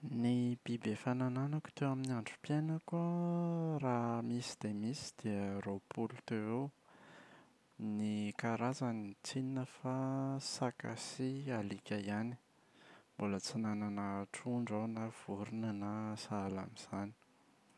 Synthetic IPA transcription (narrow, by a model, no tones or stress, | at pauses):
nib̥ibefanananaku̥t̪ewaminiaɳɖ͡ʐupjenəka | ɾamisi̥d̪emisi̥d̪̥iəɾopʰulut̪ee | nikaɾazanit͡sininəfasaka̰sialikʲajani̥ | mbolət͡sinananaʈ͡ʂuɳɖ͡ʐawnav̥uɾunənasaala̰miz̥ani̥